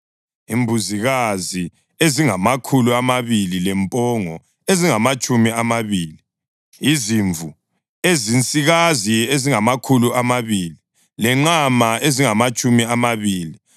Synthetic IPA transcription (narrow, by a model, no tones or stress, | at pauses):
imbʱuziɣazi | eziŋamakʰuluamaβililɛmpʼɔŋɔ | eziŋamat͡ʃʼumiamaβiːli | iziɱvʱu | ezint͡sʼiɣazieziŋamakʰuluʔamaβiːli | lɛŋ͡ǁamaeziŋamat͡ʃʼumiamaβiːli